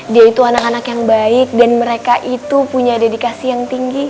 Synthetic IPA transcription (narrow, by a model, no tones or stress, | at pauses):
diait̪uanakanakjaŋbaɪk̚danməɾekaʔit̪upuɲadedikasijaŋt̪iŋɡi